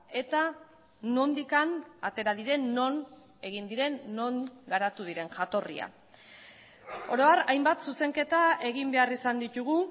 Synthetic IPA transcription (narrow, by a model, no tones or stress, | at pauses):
e̞t̪a | no̞nd̪ikanat̪e̞ɾaðiɾe̞nːo̞n | e̞ɣ̞ind̪iɾe̞nːo̞ŋɡaɾat̪uðiɾe̞ŋʝat̪o̞rḭa̰ | o̞ɾo̞arajmbat̪suse̞ŋke̞t̪ae̞ɣimbe̞arisand̪it̪uɣ̞u